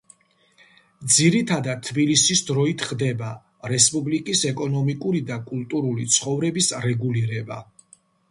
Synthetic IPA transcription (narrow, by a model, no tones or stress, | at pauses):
d̪ziɾit̪ʰad̪ad̪̚t̪ʰːbilisisd̪ɾɔit̪ʰχd̪ɛba | ɾɛspʼublikʼisɛkʼɔnɔmikʼuɾid̪akʼulˠt̪ʼuɾulit̪sʰχɔvɾɛbisɾɛɡuliɾɛba̰